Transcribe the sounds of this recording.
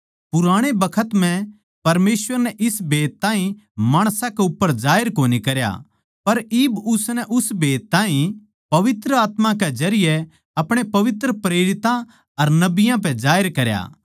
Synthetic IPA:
pʊɾaːɽ̃ebɐkʰət̪mɛ̃ | pɐɾmeːswʋəɾnɛʔɪsbʱeːt̪ːãːɦĩmaːɽ̃sãkɛʊpːəɾd͡ʒaːɪɾkoːnikɐɾja̰ | pɐɾiːbʊsnɛʔʊsbʱeːt̪ːaːɦĩ | pɐʋɪt̪ɾəaːt̪mãkɛd͡ʒɐɾɪjɛ | ɐpɽ̃epɐʋɪt̪ɾəpɾeːɾɪt̪ã | ɐɾnɐbɪjãp̬ɛ̃d͡ʒaːɪɾkɐɾja̰ː

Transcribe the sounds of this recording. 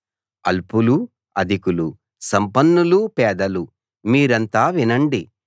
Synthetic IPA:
ɐ̰lpulu | ɐd̪ʱikulu | sɐmpɐnːulupɛːd̪ɐlu | miːɾɐnt̪aːʋinɐɳɖi

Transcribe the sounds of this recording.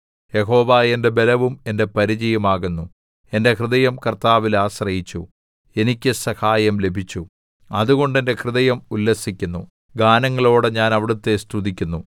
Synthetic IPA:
je̞ɦo̞ːʋaːje̞nde̞be̞lɐʋume̞nde̞pɐɾid͡ʑɐjɐmaːɣunːu | e̞nde̞krɨðɐjɐmkɐrt̪aːʋilaːɕrɐjit͡ɕːṵ | e̞nikʲːɨsɐhaːjɐmle̞bʱit͡ɕːu | ɐðuɣo̞ɳɖende̞krɨðɐjɐmulːɐsikʲːunːṵ | ɡaːnɐŋːɐɭo̞ːɽeɲaːnɐʋiɽut̪ːe̞st̪ʰuðikʲːunːu

